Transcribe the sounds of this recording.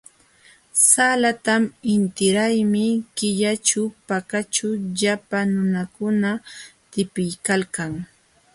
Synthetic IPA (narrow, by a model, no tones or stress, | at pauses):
salat̪amɪnt̪ɪɾajmɪkɪʎat͡ʃapakat͡ʃaʎapanʊnakʊnat̪ɪpɪjkalkaŋ